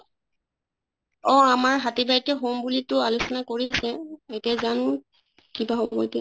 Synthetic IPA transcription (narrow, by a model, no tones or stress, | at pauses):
ɔ̃amaɹɦatibatɛɦombulitʊalosɔnakoɹisɛetiazanʊ̃ | kibaɦobɔjtɛ